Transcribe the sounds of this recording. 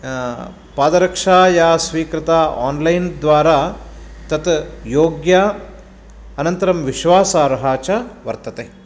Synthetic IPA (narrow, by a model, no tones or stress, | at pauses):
paːd̪ɐɾɐkʂaːjaːsʋiːkɾɪt̪aːa̰ːnlɐjnd̪ʋaːɾaːt̪ɐt̪joːɡjaː | ɐnɐnt̪ɐɾɐmʋiʃʋaːsaːɾɐɦaːt͡ʃɐʋɐɾt̪ɐt̪eː